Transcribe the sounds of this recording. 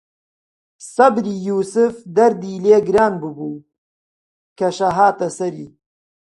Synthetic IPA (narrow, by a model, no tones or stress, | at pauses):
sɐbɾiːjuːsɨfd̪ɐɾd̪iːleːɡɾaːnbɨbuː | kɐʃɐɦaːt̪ɐsɐɾiː